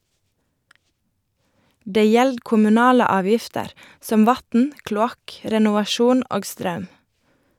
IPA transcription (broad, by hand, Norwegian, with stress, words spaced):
ˈdeː ˈjɛld kʊmʉˈnɑːlə ˈɑːˌʋjɪftəɾ ˈsɔm ˈʋɑtn̩ klʊˈɑk ɾɛnʊʋɑˈʃuːn ˈoːɡ ˈstɾɑʉm